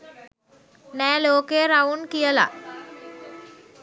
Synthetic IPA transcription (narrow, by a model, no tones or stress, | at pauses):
nɛːloːkeɾaʋunkijəla̰